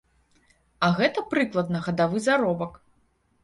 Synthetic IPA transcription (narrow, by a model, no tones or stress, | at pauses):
ɐɣɛt̪ɐpɾɨklˠɐd̪̚nɐɣɐd̪avɨzaɾɔbɐk